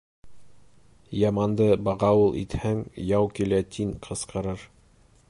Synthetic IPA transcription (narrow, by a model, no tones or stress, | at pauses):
jɑmɑnd̪ɤbɑʁɑulˠʔḭt̪hæŋjɑwkilæt̪ʰiŋqʰɤ̆sqɤ̆ɾɤɾ